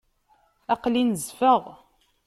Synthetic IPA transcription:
ɑqlinəzfəʁ

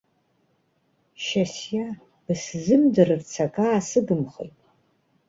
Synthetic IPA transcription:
ʃasja | b̥ɨszɨmdɨrɨrt͡sʰakʰaːsɨɡɨmχɨ̰jtʼ

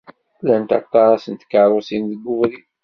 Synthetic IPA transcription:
lænt̪ɑ̰t̪ˤːɑɾˤɑsənt̪kːəɾˤosinðəɡːʊvɾi

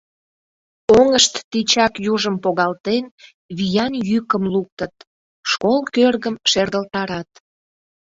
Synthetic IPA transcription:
oŋəʃt̪ːit͡ɕɑkjuʒəmpoɣɑlt̪en | βijɑnjykəmluk̚t̪ət̪̚ | ʃkolkørɣəmʃerd̪əlt̪ɑɾɑt̪̚

